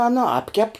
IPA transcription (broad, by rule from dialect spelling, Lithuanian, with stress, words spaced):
ˈɑːnɐ ˈɑːpʲkʲɛp